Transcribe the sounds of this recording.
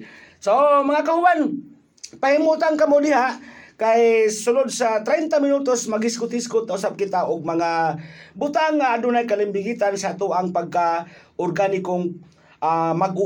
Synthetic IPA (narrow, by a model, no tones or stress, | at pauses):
somaŋakahʊwan | pahimut̪ankamʊdɪɦakajsʊlʊd̪̚sat̪ɾɛjnt̪amɪnut̪osmaɡɪskʊt̪hɪskʊt̪̚ːaʊsab̚kɪt̪aʔʊɡ̚maŋabʊt̪aŋːaadʊnajkalɪmbɪɡit̪ansat̪ʊaŋpaɡ̚ka | ʊrɡanɪkoŋ | amaɡ